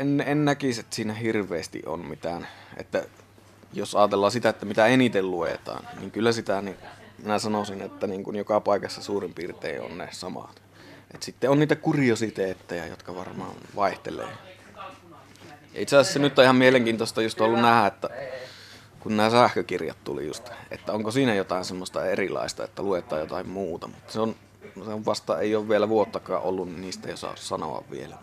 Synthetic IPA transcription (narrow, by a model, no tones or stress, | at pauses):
enːeennækiset̪ːsiːnæhirʋˑeːst̪ḭʔʔo̰mmit̪ænʔḛt̪ːæ | josɑːt̪elːɑːsit̪æet̪ːæmit̪æenit̪elluḛt̪ɑ̰ːnnḭːŋkylːæsit̪æninminæsɑnosinet̪ːæniːŋkunjokɑpɑˑikɑsːɑsuːrimpiːrt̪ḛˑiʔo̰nnḛsɑmɑ̰t̪ | ʔet̪sit̪ːeʔonniːt̪ækuriosit̪eːt̪ːejæ̰jo̰t̪kɑʋɑrmɑ̰ːʋɑˑeht̪ḛlḛː | jɑʔit̪seɑsisːenyt̪ːɑihɑmmieleŋkiːnt̪ost̪ɑjust̪olːunnæhæet̪ːæ | kunnæːsæhkøkirjɑ̰t̪t̪ṵlḭjṵst̪ḛt̪ːæoŋkosiːnæjot̪ɑˑensemːost̪ɑerilɑ̰ˑest̪ɑḛt̪ːæluet̪ˑɑːjot̪ɑhimmuːt̪ɑmut̪ːɑ̥seon | seoʋʋɑst̪ˑɑːeˑijˑoːʋʋielæʋuot̪ːɑkˑɑ̰ːʔʔolːunninniːst̪æjosɑ̰ˑssɑno̰ɑ̰ʋʋḭelæ̰